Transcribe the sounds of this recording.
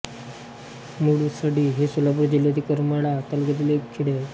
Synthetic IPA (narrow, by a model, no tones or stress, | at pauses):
muɽusəɽiːɦesulabuɾd͡ʑilod̪ikəɾməɽat̪əlɡəd̪ilekʰiɽe